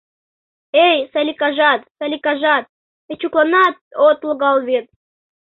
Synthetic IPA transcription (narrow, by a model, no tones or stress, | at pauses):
ejsalʲikaʐat̪salʲikaʐat̪̚ | et͡ɕuklˠanɑt̪̚ot̪lˠɡɑlˠvʲet̪̚